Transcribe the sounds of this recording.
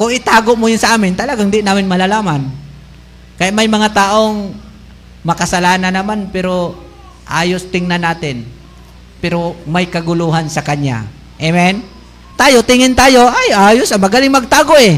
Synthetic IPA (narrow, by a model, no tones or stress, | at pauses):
kʊŋɪt̪aːɡoʔmojʊnsɐʔaːmɪnt̪ɐlɐɡaŋd̪ɪʔɪnaːmɪnmɐlalaːman | kɐjaʔmɐjmɐŋat̪aːʔo̞ŋ | mɐkɐsɐlaːnanɐmanpɛɾo̞ | ʔa̰ːjost̪ɪŋnanaːt̪ɪn | pɛɾomɐjkɐɡʊluɦansɐkɐɲa̰ | ʔɛmɛn | t̪aːjot̪ɪŋɪnt̪aːjo̞ʔajʔaːjosɐŋmɐɡɐlɪŋmɐɡ̚t̪aːɡoʔɛ